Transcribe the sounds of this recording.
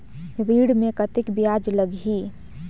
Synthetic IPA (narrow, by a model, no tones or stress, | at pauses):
ɾiɽmekət̪ɪkbijad͡ʒləɡi